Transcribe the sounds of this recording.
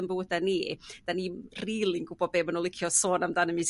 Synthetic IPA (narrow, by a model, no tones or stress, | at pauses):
mbuːd̥anid̥aniriːlˠiŋɡub̥ɔbeːmanɔlɪkʰjɔsoːnamdanəmis